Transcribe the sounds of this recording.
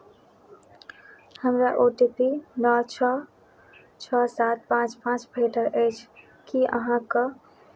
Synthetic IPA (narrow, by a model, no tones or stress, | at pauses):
həmɾaʔoʈipinɔt͡ʃʰə | t͡ʃʰəsat̪̚pãt͡ʃpãt͡ʃbʱeʈəɾʔət͡ʃʰ | kiə̰ɦãkə